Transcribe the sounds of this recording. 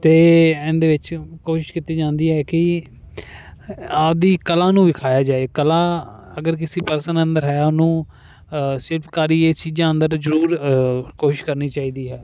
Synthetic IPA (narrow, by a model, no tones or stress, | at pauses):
t̪eːɛ̃ːnd̪eːʋɪt͡ʃkoːʃɪ̥ʃkit̪iːd͡ʒãːnd̪iːɦɛːkɪ | aːd̪iːkəlãːnũːʋɪkʰaːjaːd͡ʒaːeːkəlãːəɡəɾk̬ɪsiːpəɾsənənd̪əɾɦɛːʊnũː | sɪɾpkaːɾiːeːt͡ʃiːd͡ʒãːə̃nd̪əɾzəɾuːɾkoːʃɪʃkəɾniːt͡ʃaːiːd̪iːɦɛː